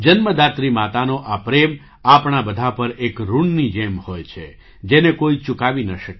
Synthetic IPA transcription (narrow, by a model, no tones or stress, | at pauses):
d͡ʒənməd̪at̪ɾimat̪anoʔapɾem | apɳabəd̪ʱapəɾekɾuɳnid͡ʒemhojt͡ʃʰe | d͡ʒenekoit͡ʃukaʋinəʃəke